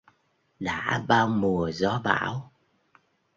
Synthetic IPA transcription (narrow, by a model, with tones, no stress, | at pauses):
ɗa̰ː˧˥ɓaː˧wmu˨˩əzɔ˨˦ɓa̰ː˧˩w